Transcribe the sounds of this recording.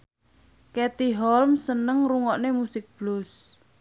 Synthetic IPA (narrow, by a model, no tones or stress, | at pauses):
kɛt̪iɦɔlmsənəŋruŋɔʔnemusɪk̚b̥lʊs